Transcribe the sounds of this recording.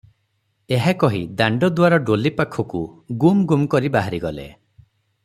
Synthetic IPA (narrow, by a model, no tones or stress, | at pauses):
eɦakɔɦid̪aɳɖɔd̪waɾɔɖolipakʰːɔkuɡumɡumkɔɾibaɦaɾiɡɔlḛ